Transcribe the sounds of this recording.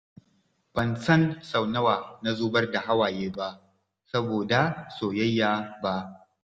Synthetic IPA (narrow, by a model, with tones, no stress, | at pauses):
b̥ɐ˨nsɐ˦nsɐ˨wnɐ˦waː˨na˦zuː˦bɐ˦rda˨ɦa˦waː˨jeː˦ba˦ʔ | sɐ˦boː˨da˨soː˨jɐ˦jːaː˦ba˦ʔ